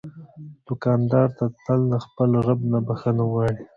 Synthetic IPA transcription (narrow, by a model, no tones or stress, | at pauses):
d̪̥ʊkɑnd̪ɑɾt̪at̪əlnaxpəlɾabnabaxənawɑɽi